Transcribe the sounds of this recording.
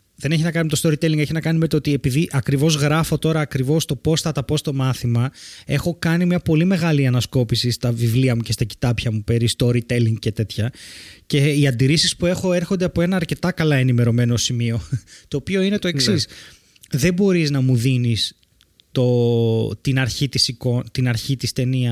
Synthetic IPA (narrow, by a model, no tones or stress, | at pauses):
ðe̞neçiznɐkɐnimet̪o̞st̪o̞ɾit̪eliŋɡe̞çiznɐkɐnimet̪ot̪iepiðiʔɐkɾivo̞zɣɾɐfo̞t̪o̞ɾɐːkɾivo̞st̪o̞po̞st̪ɐt̪ɐpo̞st̪o̞mɐθimɐe̞xo̞kɐnimɲɐpo̞lime̞ɣɐliɐnɐsko̞pisist̪ɐvivliɐmuce̞st̪ɐci̥t̪ɐpçɐmupe̞ɾist̪o̞ɾit̪eliŋɡ̚ce̞t̪e̞t̪çɐce̞iɐnd̪iɾisispue̞xo̞e̞ɾxo̞nd̪e̞ɐpo̞e̞nɐːɾce̞t̪ɐkɐlɐe̞nime̞ɾo̞me̞no̞simio̞t̪o̞ːpio̞ine̞t̪o̞e̞ksis | ðe̞bo̞ɾiznɐmuðinis | t̪o̞t̪inɐɾçit̪isiko̞t̪inɐɾçit̪ist̪e̞niɐ